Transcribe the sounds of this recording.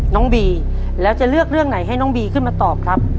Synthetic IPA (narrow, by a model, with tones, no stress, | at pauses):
nɔː˦˥ŋbiː˧ | lɛː˦˥wt͡ɕa˨˩lɯ˥˩ək̚ɾɯ˥˩əŋna˩˦jɦa˥˩jnɔː˦˥ŋbiː˧kʰɯ˥˩nmaː˧t̪ɔː˨˩p̚kʰɾa˦˥p̚